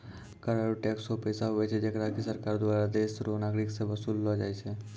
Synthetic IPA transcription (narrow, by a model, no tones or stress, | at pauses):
kəɾaɾuʈɛksopəjsaɦoɛt͡ʃʰɛd͡ʒekɾakisəɾkaɾd̪waɾad̪esɾonaɡɾiksẽbəsulːɔd͡ʒajt͡ʃʰɛ